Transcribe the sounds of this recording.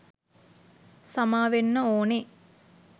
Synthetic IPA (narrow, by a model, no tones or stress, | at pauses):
samaːʋenːəoːne